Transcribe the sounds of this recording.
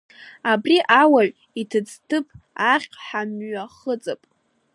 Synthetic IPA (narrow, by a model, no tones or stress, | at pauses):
abriʔawaɥ | itʰɨd͡ztʰɨpʰaχʲʼħamɥaχət͡sʼapʼ